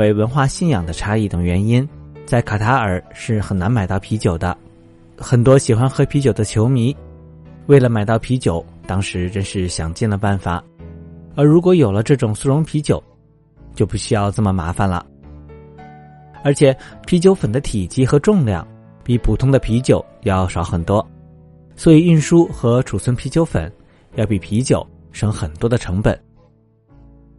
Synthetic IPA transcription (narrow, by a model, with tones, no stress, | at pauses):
e˧˥ɪwə˧˥nxwa˥˧ɕi˥˩njɑ˨˩ŋd̪ə˦ʈ͡ʂʰa˥i˥˩t̪ə˨˩ŋɥɛ˧˥ni˥nt͡sa˥˩ɪkʰa˨˩t̪ʰa˧˥ə˞˨˩ʂɻ̩˥˩xə˨˩na˧˥nma˨ɪt̪ɑ˥˩ʊpʰi˧˥t͡ɕjo˨˩ʊd̪ə̰˦ | xə˨˩nt̪wɔ˥ɕi˨˩xwa˥nxɤ˧˥pʰi˧˥t͡ɕjo˨˩ʊd̪ə˦t͡ɕʰjo˧˥ʊmi˧˥ | we˥˩lə˩ma˨˩ɪt̪ɑ˥˩ʊpʰi˧˥t͡ɕjo˨˩˦ʊt̪ɑ˥ŋʂɻ̩˧˥ʈ͡ʂə˥nʂɻ̩˥˩ɕjɑ˨˩ŋt͡ɕi˥˩nlə˩pa˥˩nfa̰˨˩˦ | ə˞˧˥ɻu˧˥kwɔ˧˥jo˨˩lə˦ʈ͡ʂɤ˥˩ʈ͡ʂʊ˨˩ŋsu˥˩ɻʊ˧˥ŋpʰi˧˥t͡ɕjo˨˩˦ʊ | t͡ɕjo˥˧ʊpu˥˩ɕy˥jɑ˥˧ʊt͡sə˥˩mə˩ma̰˧˥fa˥˧nlə̰˩ | ə˞˧˥t͡ɕʰjɛ˨˩˦pʰi˧˥t͡ɕjo˧˥ʊfə˨˩nd̪ə˦t̪ʰi˨˩t͡ɕi˥˩xɤ˧˥ʈ͡ʂʊ˥˧ŋljɑ̰˥˩ŋ | pi˨˩pʰu˨˩t̪ʰʊ˥ŋd̪ə˨pʰi˧˥t͡ɕjo˨˩˦ʊjɑ˥˩ʊʂɑ˧˥ʊxə˨˩nt̪wɔ˥ | swɔ˧˥i˨˩i˥˩nʂu˥xɤ˧˥ʈ͡ʂʰu˨˩t͡sʰwə˥npʰi˧˥t͡ɕjo˧˥ʊfə̰˨˩˦n | jɑ˥˩ʊpi˨˩pʰi˧˥t͡ɕjo˨˩˦ʊ | ʂɤ˧˥ŋxə˨˩nt̪wɔ˥d̪ə˨ʈ͡ʂʰɤ˧˥ŋpə̰˨˩˦n